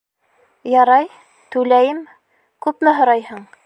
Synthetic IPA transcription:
jɑɾɑj | t̪ʉlæjɘm | kʉpmɘɦŏɾɑjɦɤɴ

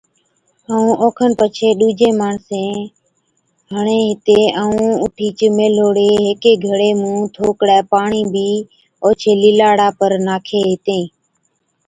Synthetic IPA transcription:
əːũːʔoːkʰənpət͡ʃʰeːɗuːd͡ʒeːmaːɳsẽː | ɦəɳẽːɦɪt̪eːəːũːʊʈʰiːt͡ʃmeːloːɽeːɦeːkeːɡʱəɽeːmũːt̪ʰoːkɽɛːpaːɳiːbʱiː | oːt͡ʃʰeːlɪːlaːɽaːpəɾnaːkʰeːɦɪt̪ẽː

